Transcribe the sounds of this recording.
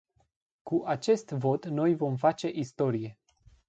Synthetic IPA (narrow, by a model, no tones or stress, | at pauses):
kuʔat͡ʃe̞st̪vo̞t̪no̞jvo̞mfat͡ʃe̞ʔist̪o̞ɾije̞